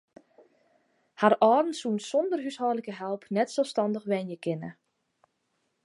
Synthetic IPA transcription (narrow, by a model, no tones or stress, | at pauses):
harʔɔːdn̩sunsɔndərɦyshɔːrləkəɦɛlˠpnɛtsɛlˠfstɑndəxʋɛnjəkɪnə̰